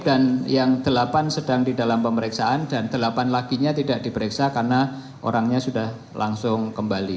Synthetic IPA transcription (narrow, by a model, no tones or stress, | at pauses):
d̥anjaŋd̪̥əlapansədaŋdidalampəməɾɪksaʔandand̪̥əlapanlaɡ̥iɲat̪idaʔd̥ipəɾɪksakarna | ʔo̰ɾaŋɲasudah | laŋsʊŋkəmbali